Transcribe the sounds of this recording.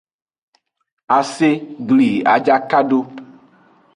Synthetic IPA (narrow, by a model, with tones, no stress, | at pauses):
a˨se˦ɡli˨a̰˨d͡ʒa˦ka˦ɖo˦